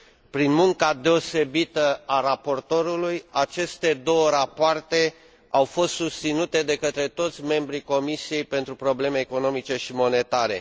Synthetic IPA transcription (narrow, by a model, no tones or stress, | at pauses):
pɾinmuŋkad̪e̞o̞se̞bit̪əaɾapo̞rt̪o̞ɾulujat͡ʃe̞st̪e̞d̪o̞wəɾapoart̪e̞ | awfo̞st̪sust̪sinut̪e̞d̪e̞kət̪ɾe̞t̪o̞t̪sʲme̞mbɾiko̞misije̞jpe̞nt̪ɾupɾo̞ble̞me̞ːko̞no̞mit͡ʃe̞ʃimo̞ne̞t̪aɾe̞̰